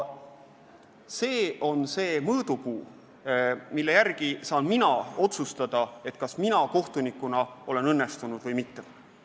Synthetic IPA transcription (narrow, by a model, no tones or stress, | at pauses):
se̞ːo̞nse̞ːmɤːd̪̥ukuː | milːe̞jærɡ̥isɑːnminɑo̞t̪sust̪ɑd̪̥ɑe̞t̪ːˑkɑsminɑko̞ht̪unikːˑunɑo̞le̞nɤnːest̪unud̪̥vɤjmit̪ːe